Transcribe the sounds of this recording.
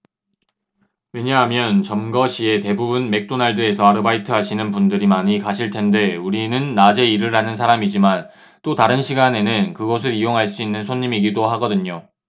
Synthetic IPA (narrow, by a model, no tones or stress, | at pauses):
we̞ɲaɦamjʌnt͡ɕʌmɡʌɕʰie̞te̞bubunme̞k̚t͈onaɭdɯe̞sʰʌaɾɯbaitʰɯɦaɕʰinɯnpundɯɾimaɲikaɕʰiɭtʰe̞nde̞uɾinɯnːad͡ʑe̞iɾɯɾɦanɯnsʰaɾamid͡ʑiman | t͈otaɾɯnɕʰiɡane̞nɯnkɯɡʌs̬ʰɯɾijoŋɦaɭs͈uinːɯnsʰoɲːimiɡidoɦaɡʌdɯɲo